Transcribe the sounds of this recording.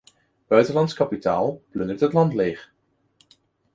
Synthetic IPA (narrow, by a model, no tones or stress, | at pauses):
b̥œɥtənlɑnskɑpita̰ːlˠplɵndətɦətlɑntleːχ